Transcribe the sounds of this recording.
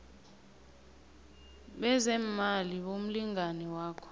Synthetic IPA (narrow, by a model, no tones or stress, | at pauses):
ɓɛzɛmaliɓom̩liŋanɛwaːkʰɔ̥